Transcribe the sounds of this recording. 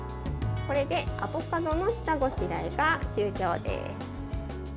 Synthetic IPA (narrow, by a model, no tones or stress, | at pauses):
ko̞ɾe̞d̪e̞a̰po̞kad̪o̞no̞ɕi̥t̪aɡo̞ɕiɾaiɡaɕɨːkʲo̞ːd̪e̞̰sɨ̥